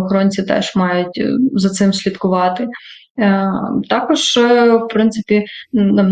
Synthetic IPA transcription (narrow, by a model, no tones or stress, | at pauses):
ɔxɔɾɔnʲt͡sʲit̪ɛ̰ʒ̥mɑjʊtʲzɐt̪sɪmsʲlʲid̪kʊʋɑt̪ɪ | t̪ɑkɔʒwpɾɪnt̪sɪ̥pʲinɐm